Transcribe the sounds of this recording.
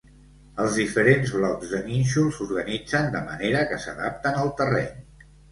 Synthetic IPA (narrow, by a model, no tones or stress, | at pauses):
əlˠzðifəɾenzβlɔdzðəninʲʃulˠsuɾɣənid͡zənd̪əmə̰neɾəkəsə̰ða̰p̚t̪ənəlˠt̪ərɛ̰ɲ